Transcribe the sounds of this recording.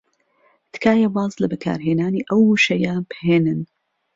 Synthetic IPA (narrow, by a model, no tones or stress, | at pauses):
t̪kʰaːjɐbɑːzlɐbɨkʰa̰ːɾɦeːnaːniʔɐwuʃɐjabheːnɨn